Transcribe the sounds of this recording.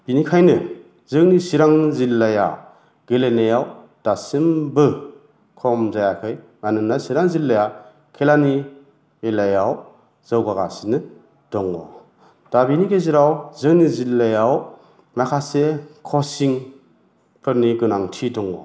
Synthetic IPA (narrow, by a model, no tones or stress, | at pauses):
b̥inikʰajnɯ | zɯŋnisiɾaŋzilːaja̰ | ɡ̥elenajaw | d̥asimbɯ | kʰɔmzajakʰɯj | manɯnasiɾaŋzilːaja | kʰelani | elajaw | z̥ɯwɡaɡa̰sinɯ | d̥ɔŋɔ̰ | d̥abiniɡeziɾawzɯŋnizilːajaw | nakʰasekʰɔsiŋ | pʰɯɾniɡɯnaŋtʰidɔŋɔ̰